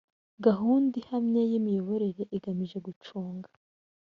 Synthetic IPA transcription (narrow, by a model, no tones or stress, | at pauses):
ɡaɦuːndihamɲejimijo̞βo̞ɾe̞ɾe̞ʔiɡamiʒe̞ɡut͡ʃuːŋɡḁ